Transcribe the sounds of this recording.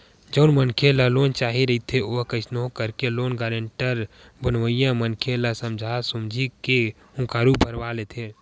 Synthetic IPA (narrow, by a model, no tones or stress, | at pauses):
d͡ʒəʊnmənkʰeləlont͡ʃaɦiɾəit̪ʰeoɦkəɪsnoɦkəɾkelonɡaɾəɳʈəɾ | bənʋəjamənkʰeləsəmd͡ʒʱasumd͡ʒʱike | ũkaɾubʱəɾʋalet̪ʰe